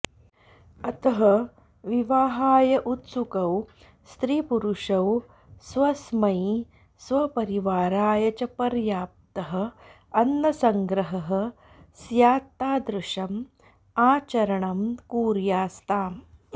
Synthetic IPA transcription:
ɐt̪ɐɦɐ | ʋiʋaːɦaːjɐʔut̪sukɐw | st̪ɾiːpuɾuʂɐw | sʋɐsmɐj | sʋɐpɐɾiʋaːɾaːjɐt͡ʃɐpɐɾjaːp̚t̪ɐɦɐ̆ | ɐnːɐsɐŋɡɾɐɦɐɦɐ̆ | sjaːt̪aːd̪ɾuʂɐm | aːt͡ʃɐɾɐɳɐmkuːɾjaːst̪aː

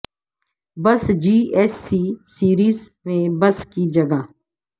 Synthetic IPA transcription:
bəsd͡ʒiːɛsːisiːɾiːzmẽbəskid͡ʒəɡaː

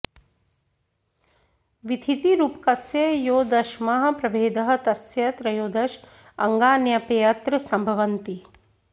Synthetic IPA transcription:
ʋid̪ʱit̪iɾuːpkɐsjejoːd̪ɐʃmɐɦɐ̆pɾɐbʱeːd̪ɐɦɐ̆t̪ɐsjɐt̪ɾɐjoːd̪ɐʃ | ɐŋɡaːnjɐpejɐt̪ɾɐsɐmbʱɐʋɐnt̪i

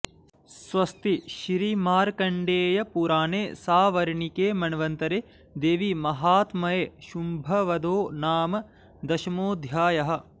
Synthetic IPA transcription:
sʋɐst̪iʃiɾimaːɾkɐɳɖeːjɐpuɾaːneːsaːʋɐɾɳikeːmɐnɐʋɐnt̪ɐɾeː | d̪eːʋimɐɦaːt̪mɐjeːʃumbʱɐʋɐd̪oːnaːmɐ | d̪ɐʃɐmoːd̪ʱjaːjɐɦɐ̆

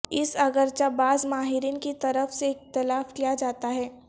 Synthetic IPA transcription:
ɪsɐɡəɾt͡ʃabaːzmaːɦɪɾiːnkit̪ɐɾəfseɪxt̪ɪlaːfkijad͡ʒaːt̪aɦɛː

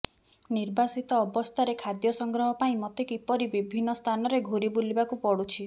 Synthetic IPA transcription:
niɾbasit̪ɔːbɔst̪ʰaɾekʰad̪jɔsɔŋɡɾɔɦɔpaĩmɔt̪ekipɔɾibibʱinːɔst̪ʰanɔɾeɡʱuɾibulibakupɔɽut͡ʃʰi

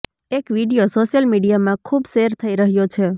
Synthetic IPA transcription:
ekʋiɖijosoʃjəlmiɖijamãkʰubseɾt̪ʰəiɾəɦjot͡ʃʰe

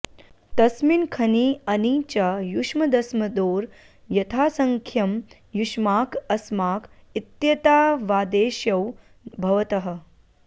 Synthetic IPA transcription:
t̪ɐsminkʰɐniːɐniːt͡ʃɐjuʂmɐd̪ɐsmɐd̪oːɾ | jɐt̪ʰaːsɐŋkʰjɐm | juʃmaːkɐsmaːkit̪jɐt̪aːʋaːd̪eːʃjɐw | bʱɐʋɐt̪ɐɦɐ̆

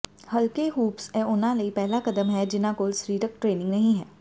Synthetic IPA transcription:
həlkeːɦuːpsɛ̃ːʊnãːləiːpɛːlaːkəd̪əmɦɛːd͡ʒɪnãːkoːlsɾiːɾək̚ʈɾeːnɪ̃ŋɡnəɦĩːɦɛː

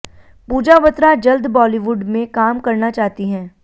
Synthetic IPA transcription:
puːd͡ʒaʋət̪ɾad͡ʒɐld̪bɔːliʋʊɖmẽkaːmkɐɾnat͡ʃaːɦt̪iɦɛ̃ː

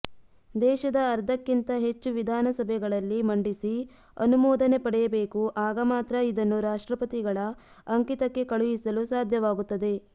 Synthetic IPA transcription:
d̪ɛːʃɐd̪ɐːɾd̪ʱɐkːint̪ɐɦe̞t͡ʃːuʋid̪ʱaːnɐsɐbʱɛɡɐɭɐlːimɐɳɖisi | ɐ̰numɔːd̪ɐne̞pɐɽɛjɐbeːkuʔaːɡɐmaːt̪ɾɐid̪ɐnːuɾaːʂʈɾɐpɐt̪iɡɐɭɐː | ŋkit̪ɐkːe̞kɐɭujisɐlusaːd̪ʱjɐʋaːɡut̪ːɐd̪e̞

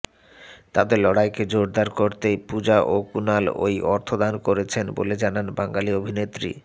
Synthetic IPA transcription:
t̪ad̪eɾlɔɽajked͡ʑoɾd̪aɾkoɾt̪epud͡ʑaʔokunalo̰jɔɾt̪ʰod̪ankoɾet͡ɕʰenbo̰led͡ʑananbaŋɡaliobʱinet̪ːɾḭ

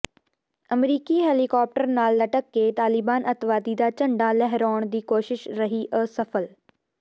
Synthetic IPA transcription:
ɐmɾiːkiɦeːlikɔːp̚ʈəɾnaːlːɐʈəkːeːt̪aːlɪbaːnʔɐt̪ʋaːd̪id̪aːt͡ʃɐ̃ɳɖalɛɦɾɔːɳ̃d̪iːkoːʃɪʃɾɐɦiʔəsɐfəl

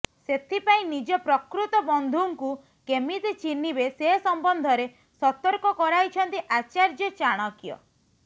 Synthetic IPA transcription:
set̪ʰipaĩnid͡ʒɔpɾɔkɾut̪ɔbɔnd̪ʱuŋku | kemit̪it͡ʃinibeseɦsɔmbɔnd̪ʱɔɾe | sɔt̪ɔɾkɔkɔɾajt͡ʃʰɔnt̪iʔat͡ʃaɾd͡ʒɔt͡ʃaɽ̃ɔkjɔ̰

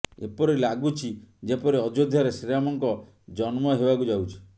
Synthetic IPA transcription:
ḛpɔɾilaɡut͡ʃʰid͡ʒepɔɾiɔd͡ʒod̪ʱjɔɾesiɾamɔŋkɔ | d͡ʒɔnmɔɦebakud͡ʒawt͡ʃʰi̥

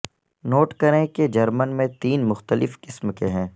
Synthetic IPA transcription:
noːʈkɐɾẽked͡ʒɐɾmənmẽt̪iːnmʊxt̪əlɪfkɪsmkeɦɛ̃ː

